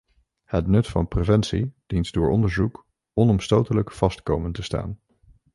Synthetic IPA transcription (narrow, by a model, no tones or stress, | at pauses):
hətnɵtfɑ̰nprevɛntsḭd̥intdʊːɹɔ̰ndəɹzuk | ɔnɔmstowtələkfɑstkowməntəsta̰ːn